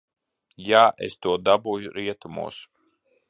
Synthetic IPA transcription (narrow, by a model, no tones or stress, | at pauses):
jaːʔḛst̪uɔd̪abuːjuɾiɛt̪umṵɔs